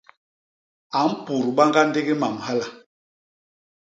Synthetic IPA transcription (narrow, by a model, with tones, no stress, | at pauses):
a˨˦m̩˦pu˨ɾɓa˦ŋɡa˦nde˦ɡi˦ma˨mha˦la˨